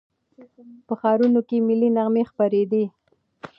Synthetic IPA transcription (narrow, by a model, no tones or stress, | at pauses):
pəxɑɾunokemilinaɣmexpaɾed̪i